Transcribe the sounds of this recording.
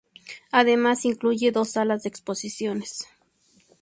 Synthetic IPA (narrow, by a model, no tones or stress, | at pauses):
aðemasiŋkluʝeðosːalaz̬d̪eːksposisjones